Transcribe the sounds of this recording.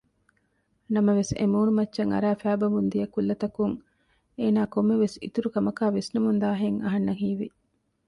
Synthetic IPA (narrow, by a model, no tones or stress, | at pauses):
nɐmɐʋesḛmuːnumɐtːʃɐŋɐ̰ɾæːfæːbɐʋund̪ijɐkulːɐt̪ɐkuŋ | eːnaːkomːeʋesḭt̪uɾukɐmɐkaːʋesnumund̪aːɦeŋɐɦɐnːɐɦiːʋi